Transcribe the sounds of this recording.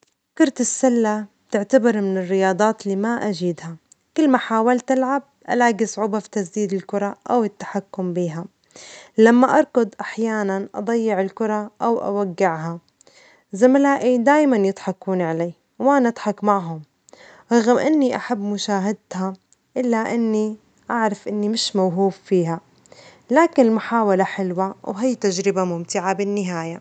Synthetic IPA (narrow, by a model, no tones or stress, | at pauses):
kʊɾˤt̪ɪsːalːabt̪ɪʕt̪abɪɾˤmɪnɪrːɪjɑːd̪ˤɑːt̪lːiːmaʔad͡ʒiːd̪ha | kɪlːmaħaːwalt̪ʔalʕab̚ʔa̰laːɡisˤʕuːbafi̥t̪az̬d̪iːd̪ɪlkʊɾˤɑʔawɪt̪ːḁħakːʊmbiːɦa | lamːaʔɑɾˤqʊd̪ˤʔaħjaːnanʔɑ̰d̪ˤɑjːɪʕɪlkʊɾˤɑʔawʔa̰waɡːɪʕɦa | zamalaːʔid̪aːjmanjɨt̪ˤħɑkːuːnʕaleː | wʔanaʔɑd̪ˤħɑkmaʕɦʊm | ɾˤɑɣɪmʔɪnːiʔaħabːmʊʃaːɦad̪ha | ʔɪlːaʔɪnːi | ʔaʕɾˤɑfʔɪnːimɪʃmawɦuːffiːɦa | laːkɪnɪlmʊħaːwalaħɪlwawɦijt̪ad͡ʒɾɪbamʊmt̪ɪʕabɪnːɪɦaːja